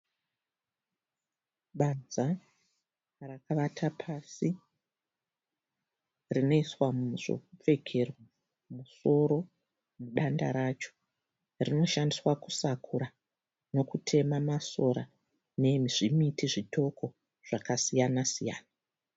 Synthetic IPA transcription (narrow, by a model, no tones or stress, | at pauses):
ɓad͡za | rakaʋatʰapʰasi | rino̞iswamʐ̥o̰kup͡fe̞kʰe̞rwa | muso̞ɾo̞ | muɗandaɾat͡ʃo̞̥ | rino̞ʃandiswaku̥sakʰuɾa | no̞kutʰe̞mamaso̞ɾa | ne̞miʐimitiʐitʰo̞kʰo̞ | ʐ̥akasijanasija̰ːna